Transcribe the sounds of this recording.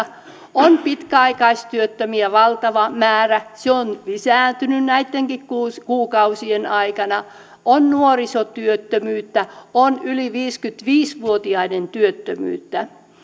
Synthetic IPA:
onpit̪kæɑikɑist̪yøt̪ːømiæʋɑlt̪ɑʋɑmæːræseonlisæːnt̪ynynnæit̪ːeŋkikkuskuːkɑusienɑikɑnɑ | ʔonnuorisot̪yøt̪ːømyːt̪ːæonyliʋiːskyt̪ʋiːsʋuot̪iɑinent̪yøt̪ːømy̰ːt̪ːæ

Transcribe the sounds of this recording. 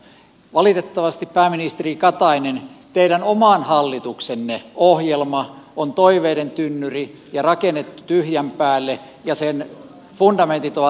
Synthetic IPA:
ʋɑlit̪et̪ːɑʋɑst̪ippæːminist̪erikɑt̪ɑinent̪eiɾænomɑːˑnhɑlːit̪uksenːeohjelmɑont̪oiʋeːɾent̪ynːyri | jɑrɑkenːet̪ːut̪yhjæmpæːlːe | jɑsen | fundɑment̪it̪oʋɑ

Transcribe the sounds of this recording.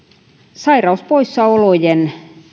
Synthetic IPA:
sɑirɑuspoisːɑolojen

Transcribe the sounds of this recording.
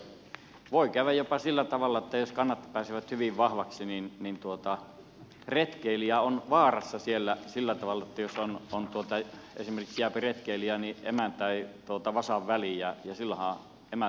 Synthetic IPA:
ʋoˑikæyʋæjjopɑsilːæt̪ɑʋɑlːˑɑĕt̪ːæjoskɑnːɑt̪pæːsiʋæt̪hyʋiʋʋɑhʋɑksininnint̪uot̪ɑ | ret̪keiliæonʋɑːrɑsːɑsielːæsilːæt̪ɑʋɑlːˑɑt̪ːæjosonont̪uot̪ɑḛsimerkiksjæˑpiret̪keiliæniḛmænt̪æit̪uot̪ɑʋɑsɑʋʋælijæjɑsilːæhɑ̃ːˑ | emæ

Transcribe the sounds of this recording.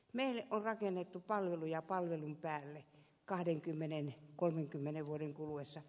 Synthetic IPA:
meˑilːeʔʔonrɑkenːet̪ːupɑlʋelujɑpɑlʋelumpæːlːe | kɑhdeŋkymːenenkolmeŋkymːeneʋʋuodeŋkuluwesːɑ

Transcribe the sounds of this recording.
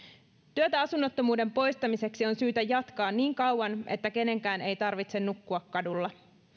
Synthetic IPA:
t̪yøt̪æɑsunːot̪ːomuːde̞mpo̞jst̪ɑmise̞ksio̞nsyːt̪æjɑt̪kɑːnːiːŋkɑwwɑnʔe̞̰t̪ːæke̞ne̞ŋkæːne̞jt̪ɑrʋit̪se̞nːukːuɑkːɑdulːɑ

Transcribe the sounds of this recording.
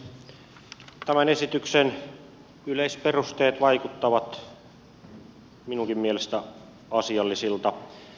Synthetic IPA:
t̪æmæne̞sit̪yksen | yleispe̞rust̪e̞ːt̪ʋɑjkut̪ːɑʋɑt̪ | minuŋkimmielest̪æ | ɑsiɑlːisilt̪ɑ

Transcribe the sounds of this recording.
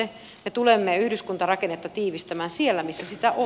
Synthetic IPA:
e | met̪ulemːeyhdyskunt̪ɑrɑkenːet̪ːɑt̪iːʋist̪æmæːnsielːæmisːæsit̪æʔo

